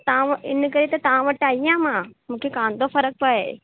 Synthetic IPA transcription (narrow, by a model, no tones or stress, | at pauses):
t̪ɐãɪnkɐɾet̪ɐt̪ɐʋ̤ãʋɐʈaːiãːmãːmũːkʰekãːn̆d̪ofɐɾək̚pɐe